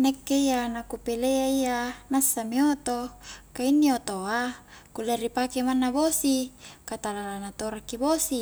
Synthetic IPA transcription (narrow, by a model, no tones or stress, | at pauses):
nekːeianakupeleaianasːamiot̪okainːiot̪oakuleripakemanːabosikat̪alalanat̪oɾakːibosi